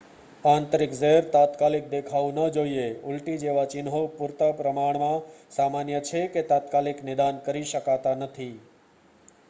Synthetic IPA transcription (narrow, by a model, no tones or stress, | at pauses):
ãnt̪ɾɪkzəɦɾt̪at̪kalɪk̚d̪ekʰaũnəd͡ʒoieʊlʈid͡ʒeʋat͡ʃɪnɦopuɾt̪apɾəmaɳmãsamanjət͡ʃʰeket̪at̪kaliknɪd̪ankəɾiʃəkat̪anət̪ʰi